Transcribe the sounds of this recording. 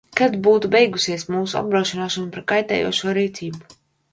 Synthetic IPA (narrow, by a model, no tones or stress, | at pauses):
kad̪buːt̪ubɛjɡusiɛsmuːsua̰b̚bɾaːʃinaːʃunupɾaɾkajt̪ɛ̰ːjo̰ɔʃuɔɾiːt̪sʲiːbu̥